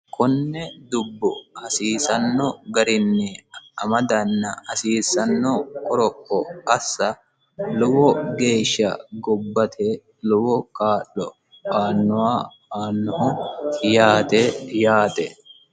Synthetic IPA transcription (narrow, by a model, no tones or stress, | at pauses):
kʰʊnːɛd̪ʊbːɔhɐsiːsɐnːɔɡɐɾɪnːɛɐmɐd̪ɐnːɐhɐsiːsːɐnːɔkʼɔɾɔkʼːɔɐsːɐ | lʊwɔɡe̞ːʃːɐ̰ɡɔbːɐt̪ʰe | lʊwɔkaːʔːɔ | aːnːʊwaː | aːnːɔhɔjaːt̪ejaːt̪ɛ